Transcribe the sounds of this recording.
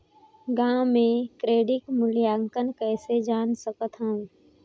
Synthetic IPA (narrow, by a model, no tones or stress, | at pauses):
ɡãːmẽkɾeːɖɪkmʊljaːŋkənkɛːsed͡ʒaːnsəkət̪ɦə̃